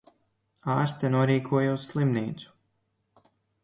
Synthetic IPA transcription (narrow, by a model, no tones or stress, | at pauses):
aːɾst̪ʲanuɔɾiːkʰuɔjusːlˠimniːt̪su̥